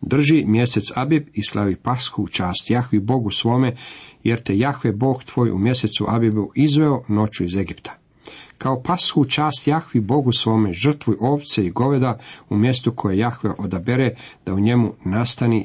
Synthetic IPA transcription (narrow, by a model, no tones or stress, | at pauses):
d̪r̩ʒimje̞se̞t̪sabibislʔaʋipasxut͡ʃaːst̪jaxʋibo̞ɡusʋo̞ːme̞je̞ɾt̪ejaxʋebo̞ːɡt̪ʋo̞ːjṵmje̞se̞t̪suʔabibuʔizʋe̞ono̞t͡ɕuize̞ɡipt̪ʰḁ | kaopasxut͡ʃaːst̪jaxʋibo̞ɡusʋo̞ːmeʒr̩t̪ʋujʔo̞ːʋt̪seiɡo̞ʋe̞d̪aumje̞st̪ukʰo̞jejaxʋeʔo̞d̪abeɾed̪̥auɲe̞munast̪ani